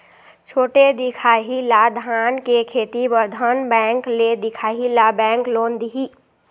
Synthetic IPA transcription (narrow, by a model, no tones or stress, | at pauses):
t͡ʃʰoːʈed̪ɪkʰaːɦilad̪ʱaːnkekʰeːt̪ibəɾd̪ʱənbɛ̃ːŋkled̪ɪkʰaːɦilabɛ̃ːŋklõːnd̪ɦi